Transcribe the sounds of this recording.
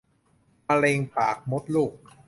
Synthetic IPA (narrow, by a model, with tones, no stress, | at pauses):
ma˧le˧ŋpaː˨˩k̚mo˦˥t̪̚luː˥˩k̚